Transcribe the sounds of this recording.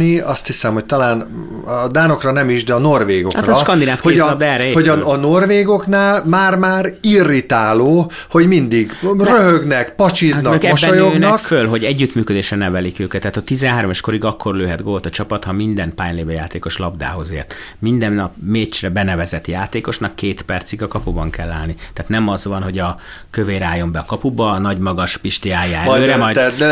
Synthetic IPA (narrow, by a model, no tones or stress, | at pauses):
niɒst̪hisɛmho̞ct̪ɒlaːn | d̪aːno̞krɒnɛmiʒd̪ɛɒno̞rʋeːɡo̞krɒʃkɒnd̪inaːfkoep̚d̪ɛɛːrːɛeːho̞ɟɒɒno̞rʋeːɡo̞knaːlmaːrmaːɾirːit̪aːloː | ho̞ɟmind̪iɡrøɦøɡnɛkpɒt͡ʃiznɒøːkɛbʃːɛojoøːnɛkffølɦo̞ɟɛɟːyt̪myːkød̪eːʃrɛnɛvɛlikøːkɛt̪ːaːt̪ːɒt̪ːizɛnɦaːɾomɒʃko̞ɾiɡɒkːo̞rløːɦɛd̪ɡoːt̪ɒt͡ʃɒpɒt̪hɒmind̪ɛnpaːjleːvɛjaːt̪eːko̞ʃlɒbd̪a̰ːɦo̞zḛːrt̪ | mind̪ɛnːɒpmeːt͡ʃrɛbɛnɛvɛzɛt̪jaːt̪eːko̞ʃnɒkːeːt̪pɛrt̪siɡɒkɒpubɒŋkɛlːa̰ːlnit̪aːt̪nɛmɒzʋɒnɦo̞ɟɒ | køveːɾaːjːo̞mbɛɒkɒpubɒnɒɟmɒɡɒʃpiʃt̪iaːjaːɛløːɾɛɒ